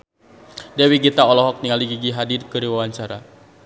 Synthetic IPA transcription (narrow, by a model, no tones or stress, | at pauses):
dɛwiɡit̪aɔlɔɦɔk̚t̪iŋaliɡiɡiɦadirkɨɾiwawaɲt͡ʃaɾa̰